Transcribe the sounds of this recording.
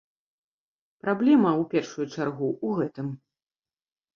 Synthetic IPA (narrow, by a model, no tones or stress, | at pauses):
pɾablʲɛmɐupʲɛrʂujut͡ʂarɣuʔuɣɛt̪ɨm